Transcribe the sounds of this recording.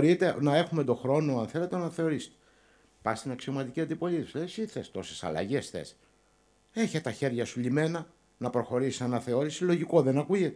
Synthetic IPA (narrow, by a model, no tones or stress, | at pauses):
ɾit̪e̞nɐe̞xumed̪o̞xɾo̞no̞ɐnθe̞le̞t̪enɐθe̞o̞ɾist̪e̥ | pɐst̪inɐksio̞mɐt̪iciɐnd̪ipo̞lisesiθest̪o̞sesɐ̰lɐ̰ʝe̞sθḛs | e̞çet̪ɐçe̞ɾʝɐsulime̞nɐ | nɐpɾoxo̞ɾisi̥sɐnɐθe̞o̞ɾisilo̞ʝiko̞ðe̞nɐkuʝet̪e